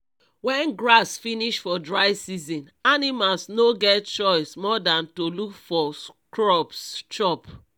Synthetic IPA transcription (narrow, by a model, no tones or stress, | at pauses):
wɛ̃nɡɹasfiniʃfɔdɹaɪsizɔ̃n | animalsnoɡɛtt͡ʃɔɪsmɔdãntolukfɔskɹɔpst͡ʃɔp